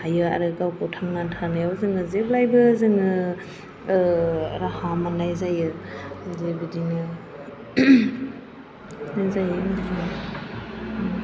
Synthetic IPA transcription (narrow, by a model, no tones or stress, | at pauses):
hajɯa̰ɾɯkawkɯwtʰaŋnatʰaɾnajawzɯnɯzeb̚lajbɯzɯŋɯ | ɾahamanajzajɯzebidinɯ | najzajɯmaina